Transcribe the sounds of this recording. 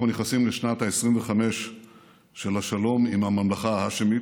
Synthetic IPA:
uneχnasimleʃnat̪haesʁimveχame̞ʃ | ʃelaʃalo̞mimhamamlaχaɦaʃemi

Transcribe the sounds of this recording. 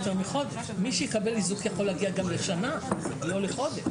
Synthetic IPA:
t̪eʁmiχo̞d̪eʃmiʃɛikabelizukjaχo̞leaɡiaɡamleʃanaɡioleχo̞d̪eʃ

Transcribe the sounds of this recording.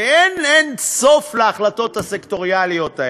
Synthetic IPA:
enenso̞fleaχlat̪o̞t̪hasekt̪o̞ʁialijo̞t̪a

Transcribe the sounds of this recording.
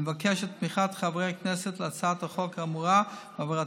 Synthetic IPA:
vakɛʃɛt̚miχatχavʁeaknɛsɛtlɪat͡saːtaχɔkamuʁavavɛla

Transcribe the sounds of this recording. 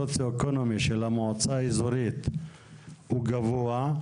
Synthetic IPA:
ot͡sjoekonomiʃelamoot͡saizoɾit̪ | uɡavoa

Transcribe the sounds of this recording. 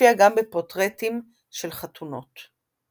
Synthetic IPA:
iaɡambepotʁetim | ʃelχatʰuno̞̰t

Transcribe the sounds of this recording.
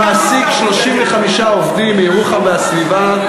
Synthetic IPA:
asikʃlo̞ʃimveχamiʃaovdimejʁuχabeasviva

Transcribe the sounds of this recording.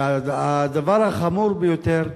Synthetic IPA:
aad̪avaɾhaχamuɾbejot̪eʁ

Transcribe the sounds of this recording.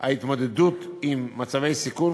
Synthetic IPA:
a̰it̪mod̪ed̪ut̪imːat͡savejsikuɾ

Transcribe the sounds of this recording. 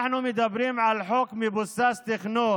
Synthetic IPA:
ħnumɪd̪abɾiːmʕalħokmɪbʊst̪aːst̪ɪxnoː

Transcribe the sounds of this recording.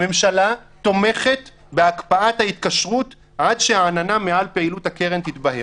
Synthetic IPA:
me̞mʃalat̪o̞me̞χe̞t | beakpaathait̪kaʃʁut | adʃeaːnanamealpeilut̪hakeʁent̪itbahe

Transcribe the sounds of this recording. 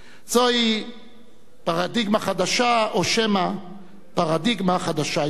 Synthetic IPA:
z̥oi | paʁad̪iɡmaχad̪aʃaoʃɛma | paʁad̪iɡmaχad̪aʃa

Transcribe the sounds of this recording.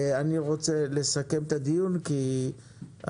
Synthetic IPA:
aniʁo̞t͡sele̞sake̞mt̪ad̪ijunki | a̰

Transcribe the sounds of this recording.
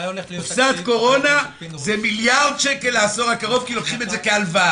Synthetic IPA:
fsat̪ko̞ʁo̞na | zemiljaʁd̪̚t͡ʃekelaːso̞ʁakaʁo̞vkilokχimetzekealva

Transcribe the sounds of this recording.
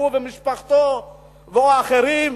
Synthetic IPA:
uvemiʃpaχt̪o | veoaːχeɾim

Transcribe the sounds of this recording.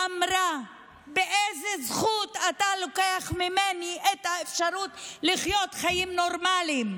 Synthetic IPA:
amɾa | beʔezezχut̪at̪alokeaχmimeniʔet̪haefʃaɾutliχjo̞t̪χajimno̞ɾmalim

